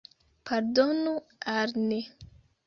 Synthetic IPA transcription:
pʰaɾdonualne

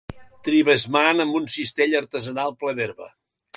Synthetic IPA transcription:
t̪ɾiβəzmanəmbunsist̪eʎəɾt̪əzənalˠpləðeɾβə̰

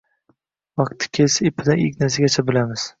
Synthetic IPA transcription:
vɑq̚t̪ʰːɪ̥kʲʰesepʰːɪd̪aɪkʲnas̬ɪɡʲat͡ʃʰabɪlamɪz̥

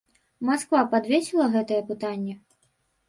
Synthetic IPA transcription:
maskvapad̪vʲesʲilˠɐɣɛt̪ɐjɛpɨt̪anʲːɛ

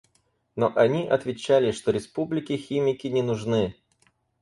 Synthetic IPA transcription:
noʔɐnʲiʔɐt̪vʲɪt͡ɕːalʲɪʂt̪oɾʲɪspublʲɪkʲɪxʲimʲɪkʲɪnʲɪnʊʐnɨ

